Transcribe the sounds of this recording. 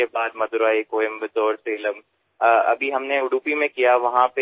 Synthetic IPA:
ebaːd̪mɐd̪ʊɾaːikoːɪmbɪt̪ɔːɾseːləm | ɐ̰bʱiɦɐmneʊɽuːpimẽkijaʋɐɦãpe

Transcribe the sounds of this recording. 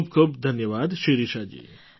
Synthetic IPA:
pkʰəbd̪ʱɐnjəʋaːd̪ʃiɾiʃaːd͡ʒḭː

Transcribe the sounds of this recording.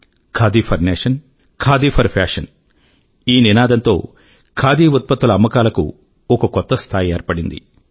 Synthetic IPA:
kʰaːd̪iːpʰɐɾneːʂɐn | kʰaːd̪iːpʰɐɾpʰaːʂɐn | iːninaːd̪ɐnt̪o̞̰ː | kʰaːd̪iːut̪̚pɐt̪ːulɐɐmːɐkaːlɐkṵ | ɔkɐkɔt̪ːɐst̪ʰaːjeːɾpɐɽind̪ḭ

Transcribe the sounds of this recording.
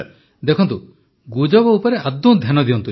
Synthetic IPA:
d̪ekʰɔnt̪u | ɡud͡ʒɔbɔupɔɾeʔad̪ːũd̪ʱjanɔd̪ijɔnt̪u

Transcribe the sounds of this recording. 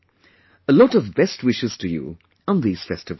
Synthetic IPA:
əlɔɾʌvbɛst̚wɪʃɨz̥tʰɨjɨ̰ | ə̃nðiz̥fɛstɨv

